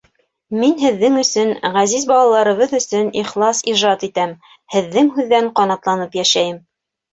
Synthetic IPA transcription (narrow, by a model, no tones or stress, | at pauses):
minɦɘ̆ðːɘŋɵ̆sɵnʁæzizbɑlˠɑlˠɑɾɤ̆βɤðɵ̆sɵniχlˠɑsiʒɑt̪it̪æm | hɘ̆ðːɘŋɦʉðːæɴqɑnɑt̪lˠɑnɤpjæʃæjɘm